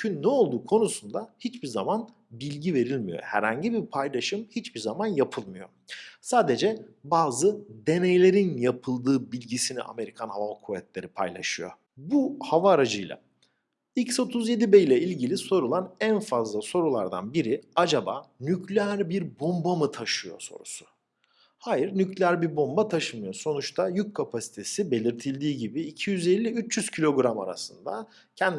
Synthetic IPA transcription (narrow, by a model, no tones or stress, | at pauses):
cʰynːɛo̞lˠd̪uːkʰo̞nusund̪ahit͡ʃbizaman | bilʲɟive̞ɾilʲmijo̞̰hæ̰ɾha̰ɲɟibipʰajlˠaʃɯmhit͡ʃbiɾzamanjapʰɯlˠmɯjo̞̰ | saːd̪e̞d͡ʒɛbaːzɯd̪e̞nejlʲe̞ɾinjapʰɯlˠd̪ɯːbilʲɟisinḭʔa̰me̞ɾikʰanhavakʰuvɛt̪lʲe̞ɾipʰa̰jlˠa̰ʃɯjo̞̰ | buhavaːɾad͡ʒɯjlˠa̰ | icso̞t̪ʰuzje̞d̪ibejlʲɛilʲɟilʲiso̞ɾulˠanænfazlˠaso̞ɾulˠaɾd̪a̰nbiɾiad͡ʒabaːnycʰlʲæɾbiɾbo̞mbamɯt̪ʰaʃɯjo̞̰so̞̰ɾusʊ̥ | haːjiɾnyclʲæɾbiɾbo̞mbat̪ʰaʃɯmɯjo̞so̞nut͡ʃt̪ʰajyc̚kʰapʰasi̥t̪ʰe̞sibe̞lʲiɾt̪ʰilʲd̪iːɟibiːcʰijyze̞lʲːiyt͡ʃjyz̥cʰilʲo̞ɡɾama̰ɾa̰sɯnd̪a̰ | cʰɛnd̪